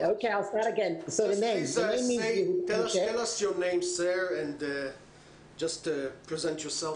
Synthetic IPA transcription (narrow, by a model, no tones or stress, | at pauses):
oʊkʰeɪaɪlˠstɑɾɨɡɛ̃nsoʊðɨnẽɪ̃mzmeɪmiɨoʊeɛlʌsjə˞nẽɪ̃mzðə˞ɨ̃n | d͡ʒʌstpʰɹ̥izɛ̃ntjɔ˞sɛlˠ